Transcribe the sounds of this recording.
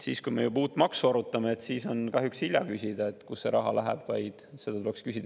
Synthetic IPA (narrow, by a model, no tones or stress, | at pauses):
siːskujme̞̰jubuːt̪ːˑmɑksuɑɾut̪ːˑɑmeet̪siːso̞nkɑɦjuksilʲjɑkysʲid̪̥ɑet̪ːˑkusːe̞ɾɑɦɑ̰læɦæ̰b̥vɑjd̪̥se̞d̪̥ɑt̪ulekskysid̪̥